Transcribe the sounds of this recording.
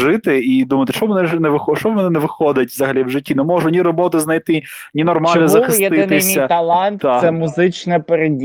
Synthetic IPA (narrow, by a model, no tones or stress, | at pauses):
ʒɪt̪ɪid̪umɐt̪ɪ̥ʃɔbmɛnɛnɛʋɪxɔʃt͡ʃɔbmɛnɛnɛʋɪxɔd̪ɐtʲʋzɐɦɐlʲiwʒɪtʲːinɛmɔʒʊnʲiɾɔbɔt̪ɪznɐjt̪ɪ | nʲinɔrmɑlʲnɔzɐxɪsɪɪsʲɐt̪ɐlˠɑnt̪asɛmʊzɪt͡ʃnɛpeɾedʲ